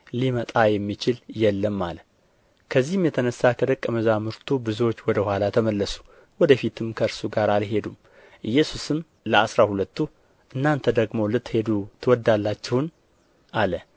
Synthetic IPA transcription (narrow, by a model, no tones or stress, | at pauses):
limət̪ʼajɛmːit͡ʃɪljɛlːəmːalə | kʰəzːihɨmjɛt̪ʰənəsːakʰəd̪əkʼːəməzamɨɾt̪ʰubɨzuwot͡ʃːwɔd̪əhwʷalat̪ʰəməlːəsu̥ | wɔd̪əfit̪ʰɨmkʰəɨɾsuɡaɾalɦe̞d̪um | ʔɨjːɛsusɨm | ləasɾahulət̪ːu | ʔɨnːant̪ʰəd̪əɡmo̞lɨt̪ːhe̞d̪ut̪ʰɨwɔd̪ːalːat͡ʃːɛwn | ʔalə